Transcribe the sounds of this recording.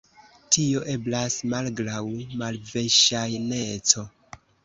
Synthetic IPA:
tio̞ʔe̞blasmalɡɾawimalveʃajne̞t͡so̞

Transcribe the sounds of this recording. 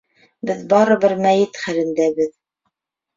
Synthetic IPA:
bɘðbɑɾɤ̆βɘɾmæjɘt̪χæɾɘ̆nd̪æbɘð

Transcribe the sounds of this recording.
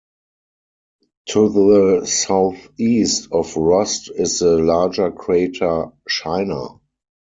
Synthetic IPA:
tʰuðəsaʊθiːstɔfɹɔstɪsəlaːd͡ʒə˞kʰɹeɪtʰət͡ʃaɪna̰

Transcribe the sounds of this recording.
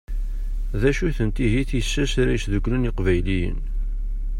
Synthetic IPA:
ðæʃuθənt̪iɦiθisːæsɾæjsðəɡlənɪqvæjlijə̰n

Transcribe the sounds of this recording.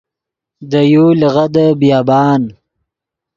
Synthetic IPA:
d̪əjolɣad̪əbjɑːbɑːn

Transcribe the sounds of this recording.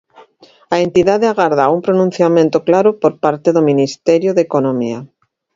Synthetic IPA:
aent̪iðaðeaɣaɾð̞aumpɾonũn̟θjamẽnt̪oklaɾopoɾpaɾt̪eðominist̪ɛɾjoðekonomia

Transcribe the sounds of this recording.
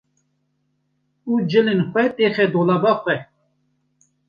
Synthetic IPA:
ud͡ʒəlinxwɛt̪ʼeχɛd̪olabaxʷɛ

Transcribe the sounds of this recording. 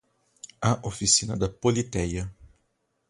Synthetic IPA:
ɐʔofisinɐd̪ɐpolit̪ɛjɐ

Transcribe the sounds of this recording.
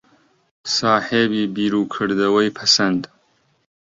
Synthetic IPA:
sɑːhebibiɾukʰəɽd̪awəjpʰasand̪

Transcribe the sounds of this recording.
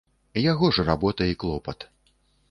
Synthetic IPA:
jaɣɔʐɾabɔt̪ɐiklˠɔpɐt̪

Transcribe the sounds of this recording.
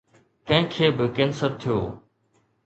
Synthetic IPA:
kɐ̃ɦɪ̃kʰeːbɪkɛːnsəɾt̪ʰijo̰ː

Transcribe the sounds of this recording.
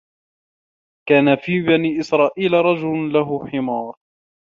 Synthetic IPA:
kaːnafiːbaniːʔɪsɾˤɑːʔiːlaɾˤɑd͡ʒʊllaɦʊħɪmɑːɾˤ

